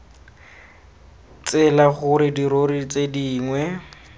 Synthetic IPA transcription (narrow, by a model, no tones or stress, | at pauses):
t͡sɛlaχʊɾɪdiɾoɾit͡sediːŋwɛ